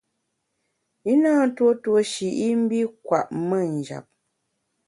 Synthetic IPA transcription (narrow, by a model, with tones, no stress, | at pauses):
i˦naː˦˨n̩˦two˦two˦ʃi˨ʔi˦m̩˦bi˦kwa˨ʔmə˦n̩˨d͡ʒa̰˨p̚